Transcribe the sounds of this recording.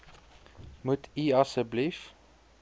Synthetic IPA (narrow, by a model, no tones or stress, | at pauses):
mut̪ʰiːɑsəblif